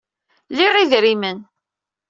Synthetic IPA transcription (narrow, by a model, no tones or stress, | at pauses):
liʁiðɾimən